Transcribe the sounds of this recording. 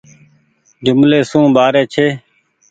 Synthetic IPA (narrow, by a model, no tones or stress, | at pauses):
d͡ʒʊmleːsũːɓaːɾeːt͡ʃʰeː